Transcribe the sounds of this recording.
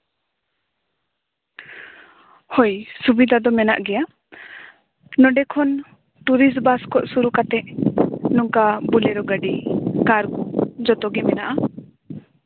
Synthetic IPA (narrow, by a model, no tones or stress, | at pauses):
hojsubid̪ʱad̪ɔmɛna̰ʔɡɛja | nɔɖɛkʰɔn | ʈuɾisbaskɔʔsuɾukat̪ɛʔnɔŋkabulɛɾɔɡəɖikaɾɡud͡ʒɔt̪ɔɡimɛnaʔa